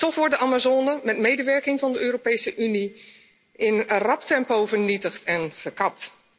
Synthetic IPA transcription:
tɔxʋɔɹdəʔamazoːnəmɛtmejdəʋɛɹkɪŋvɑndəøːropejsəʔyni | ʔɪnərɑptɛmpowvərnitəxtʰɛnχəkɑp̚t

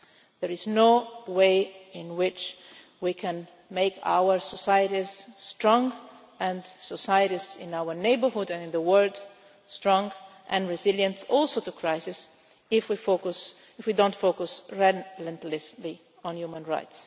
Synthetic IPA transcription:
ðəɹɪznoʊweɪɪ̃nwɪt͡ʃ | wikʰɨ̃n | meɪkʰa̰ʊwə˞sɔsaɪjɨɾiz̥stɹ̥ɔ̃ŋ | ɨ̃nsɔsajɨɾizɪ̰̃naʊə˞neɪbə˞hʊdɨ̃nɪ̃nðəwɜ˞lˠd̥ | stɹ̥ɔ̃ŋʔɨ̃nɹɪzɪljə̃ntɔlˠsotukʰɹ̥aɪsɪs | ɪfwifoks | ɪfwidõʊ̃ntfokʊsɹɛlə̃ntlɪsli | ə̃njumə̃nɹa̰ɪts

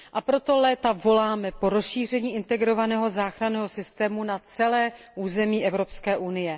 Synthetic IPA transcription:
ʔapɾo̞t̪o̞lɛːt̪avo̞laːmɛpo̞ɾo̞sʃiːr̝ɛɲiːʔɪnt̪ɛɡɾo̞vanɛːɦo̞zaːxɾanɛːɦosɪst̪ɛːmunat͡sɛlɛː | ʔuːzɛmiːʔɛvɾo̞pskɛːʔunɪjɛ

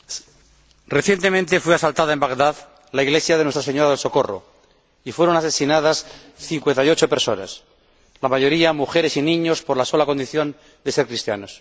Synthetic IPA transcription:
reθje̞nt̪e̞mẽnt̪e̞fweasalt̪aðaembaɣðað | laiɣle̞sjaðenwe̞st̪ɾaseɲoɾaðelsoko̞ro̰ | ifweɾonase̞sinað̞as | θiŋkwe̞nt̪ajot͡ʃopeɾso̞na̰s | lamaʝo̞ɾiamuxe̞ɾe̞sinĩɲo̞spoɾlaso̞lako̞nd̪iθjo̞n | d̪e̞se̞ɾkɾist̪ja̰no̞s

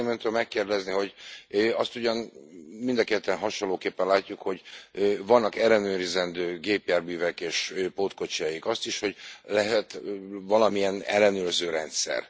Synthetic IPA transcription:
mɛnt̪ømɛkːeːrd̪ɛzniɦo̞ɟøɒst̪uɟɒnmind̪ɒkɛt̪ːɛnɦɒʃonloːkeːpːɛnlaːcːukho̞ɟvɒnːɒkɛlːɛnøːɾizɛnd̪øːɡeːpjaːrbyːvɛkeːʃøpoːt̪ko̞t͡ʃajikɒst̪iʃho̞ɟlɛɦɛt̪vɒlɒmijɛnɛlːɛnøːrzøːɾɛnt̪sɛ̰r

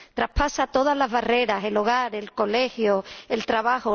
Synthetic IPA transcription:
t̪ɾapasat̪o̞ð̞azlaɦβare̞ɾase̞lo̞ɣ̞aɾe̞lko̞le̞hjoe̞lt̪ɾaβaho

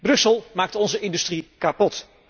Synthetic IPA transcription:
brɵsəlˠmaːk̚tɔnzəʔɪndystrikapɔt

